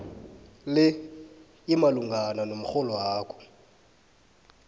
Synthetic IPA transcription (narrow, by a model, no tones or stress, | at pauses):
lɪ | ɪmaluŋɡananom̩χɔlɔaːkʰɔ̥